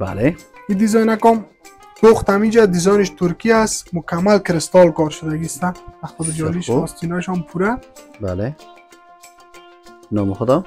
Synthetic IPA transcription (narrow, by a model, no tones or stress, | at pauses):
ba̰le | id̪izɔjnakɔm | boχt̪amid͡ʒad̪ɪzɔjnɪʃt̪ʊɾkiasmʊkamːalkɪɾɪst̪ɔlkɔɾʃʊd̪aɡist̪aaxɔd̪d͡ʒɔliʃɔst̪inaʃɔmpʰuɾaba̰le | nɔmɪxʊd̪ɔ